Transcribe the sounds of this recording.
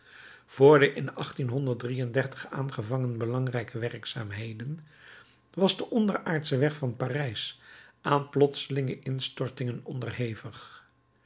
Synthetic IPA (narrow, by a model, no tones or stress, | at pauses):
v̥ʊːɹdəʔɪnɑχtinɦɔndəɹdrijəndɛɹtə̥χa̰ːnχəvɑŋənbəlɑŋrɛjkəʋɛrksaːmɦejdən | ʋɑzdəʔɔndəraːɹtsəʋɛχfɑnpaːrɛjsʔaːnplɔtsəlɪŋəʔɪnstɔɹtɪŋənɔndərɦejvəχ